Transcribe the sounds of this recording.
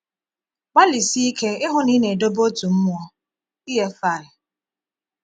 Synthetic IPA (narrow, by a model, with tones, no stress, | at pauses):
ɡ͡ba˦li˨si˦i˦kʰe˦ɪ˦ɦʊ˦ni˦ne˨do˦bo˦tu˨m̩˦mʊ˦ɔ˦ | i˦ɦe˦fa˦˨ɪ˨